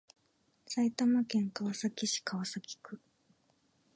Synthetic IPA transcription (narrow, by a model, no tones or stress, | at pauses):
sait̪amakẽ̞ŋkaβasakʲiɕi̥kaβasakʲi̥kɯ̟